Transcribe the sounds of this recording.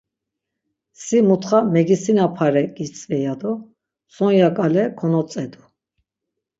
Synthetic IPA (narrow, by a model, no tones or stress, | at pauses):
simut̪χamɛɡisinapʰaɾɛɡʼit͡sʼvɛjad̪ɔ | sɔnjakʼalɛkʰɔnɔt͡sʼɛd̪u